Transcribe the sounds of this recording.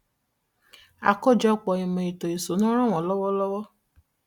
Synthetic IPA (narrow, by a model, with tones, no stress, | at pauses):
a̰˨kɔ˦˨d͡ʒɔ˦ɔ˦˨k͡pɔ˧˨ĩ˨mɔ̃˨i˨to˨i˨so˨˦nã˦ɾ̃ã˦˨w̃ɔ̃˨˦lɔ˦wɔ˦lɔ˦wɔ˦